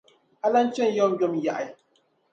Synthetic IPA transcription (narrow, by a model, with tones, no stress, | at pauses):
a˦la˦n̩˦t͡ʃɛ˦˨n˦jɔ˦m˦jɔ˦mja˨ʔa˨